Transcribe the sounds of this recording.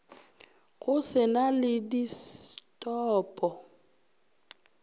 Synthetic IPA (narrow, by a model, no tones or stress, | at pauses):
ɣʊsɪnalɪdistʼɔːpʼɔ